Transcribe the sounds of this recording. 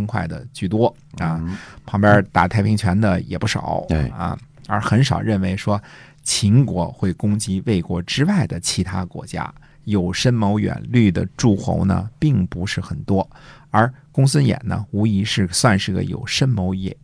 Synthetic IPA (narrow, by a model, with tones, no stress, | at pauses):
ŋkʰwa˥˩ɪd̪ə̰˩t͡ɕy˥˩t̪wɔ˥ | ə˥˧pʰɑ˧˥ŋpjɑ˥t̪a˨˩t̪ʰa˥˩ɪpʰi˧˥ŋt͡ɕʰɥɛ˧˥nd̪ə˧jɛ̰˨˩pu˥˩ʂɑ̰˨˩˦ʊ˧ɐ̰˧ | ə̰˞˧˥xə˧˥nʂɑ˨˩ʊɻə˥˩nwe˧˥ɪʂwɔ˥ | t͡ɕʰi˧˥ŋkwɔ˧˥xwe˥˩ɪkʊ˥ŋt͡ɕi˥we˥˩ɪkwɔ˧˥ʈ͡ʂɻ̩˥wa˥˩ɪd̪ə˩t͡ɕʰi˧˥t̪ʰa˥kwɔ̰˧˥t͡ɕja̰˥ | jo˨˩ʊʂə˥nmo˧˥ʊɥɛ̰˨˩nly˥˩d̪ə̰˩ʈ͡ʂu˥˩xo̰˧˥ʊnə̰˧pi˥˩ŋpu˧˥ʂɻ̩˥˩xə˨˩nt̪wɔ˥ | ə˞˧˥kʊ˥ŋswə˥njɛ̰˨˩nnə̰˦u˧˥i˧˥ʂɻ̩˥˩swa˥˧nʂɻ̩˥˩ɡə̰˩jo̰˨˩ʊʂə˥nmo˧˥ʊjɛ̰˨˩˦n